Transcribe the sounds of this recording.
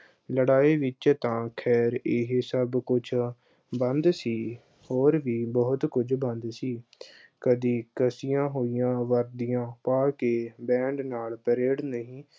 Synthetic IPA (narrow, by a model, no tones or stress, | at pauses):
ləɽaːiːʋɪt͡ʃt̪ãːkʰɛːɾɪɦsəbkʊt͡ʃʰ | bənd̪siː | hoːɾʋiːbəɦʊt̪kʊd͡ʒbə̃nd̪siː | kəd̪iːkəsijãːɦoːijãːʋəɾd̪ijãːpaːkeːbɛ̃ːɳɖnaːlpəɾeːɽnəɦĩː